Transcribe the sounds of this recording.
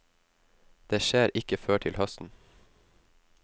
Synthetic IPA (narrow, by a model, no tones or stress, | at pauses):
d̪̥eːʃeːɾʔɪkəføːʈʰɪlhœst̪n̩